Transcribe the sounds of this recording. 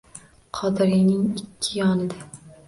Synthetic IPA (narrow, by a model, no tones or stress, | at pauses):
qʰɒd̪ɪɾɪjnɪŋɪkʲʰːɪjɒnɪd̪a